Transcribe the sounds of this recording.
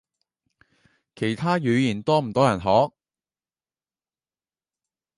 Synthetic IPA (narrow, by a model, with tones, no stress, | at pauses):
kʰe˨˩jt̪ʰaː˥jyː˨˥jiː˨˩nt̪ɔː˥m̩˨˩t̪ɔː˥jɐ˨˩nɦɔː˨˥k̚